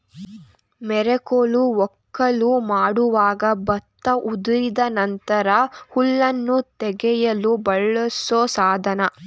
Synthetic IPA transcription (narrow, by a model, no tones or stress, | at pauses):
mɛɾɛkoːluɔkːɐlumaːɽuʋaːɡɐbɐt̪ːɐʔud̪iɾid̪ɐnɐnt̪ɐɾɐhuɭːɐnːut̪ɛɡɛjɐlubɐɭːɐsoːsaːd̪ʱɐnɐ